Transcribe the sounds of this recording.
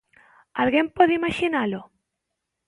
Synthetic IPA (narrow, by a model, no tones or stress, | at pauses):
alɣempoðeimaʃinalo